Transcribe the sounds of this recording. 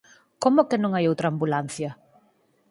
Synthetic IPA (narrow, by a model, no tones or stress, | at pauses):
komʊkɪnõŋajowt̪ɾɐaːmbulan̟θjɐ